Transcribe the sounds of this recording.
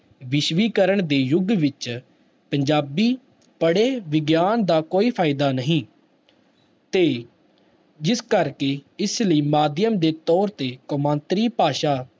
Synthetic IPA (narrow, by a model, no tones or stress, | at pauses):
ʋɪʃʋiːkəɾəɳd̪eːjʊɡʋɪt͡ʃ | pəɲd͡ʒaːbiː | pəɽeːʋɪɡjaːnd̪aːkoːiːpʰaːɪd̪aːnəɦĩː | t̪eː | d͡ʒɪskəɾkeːɪsləiːmaːd̪ɪjəmd̪eːt̪ɔːɾt̪eːkomãːnt̪ɾiːpaːʃaː